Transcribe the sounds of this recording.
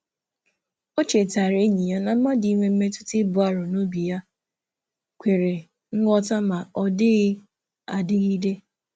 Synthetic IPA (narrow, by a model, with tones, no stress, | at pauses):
o˦t͡ʃe˨ta˨ɾe˦ɲi˨ja˦na˨m̩˦ma˦di˨˦ŋʷe˦m̩˦me˦tʊ̥˦tɪ˦bʊ˨a˦˨ɾʊ˨no˦bi˨ja˦ | kʷe˨ɾe˨ | ŋ̩˦ŋɔ˦ta˦ma˨ʔɔ˨dɪ˦ɣɪ˦ | a˨dɪ˦ɣi˦de˦